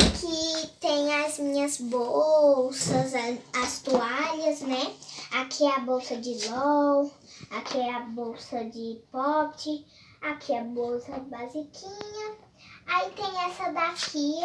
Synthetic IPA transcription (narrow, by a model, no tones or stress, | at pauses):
kʰɪt̪ẽj̃ɐzmĩɲɐzbosɐzɐast̪uaʎɐznɛakʰiɛɐbowsɐd͡ʒɪlɔ | akʰiɛabowsɐd͡ʒɪpɔt͡ʃɪ | akʰiɐbowsɐbazikʰĩɲ̃ɲɐ | ait̪ẽj̃ɛsɐd̪akʰi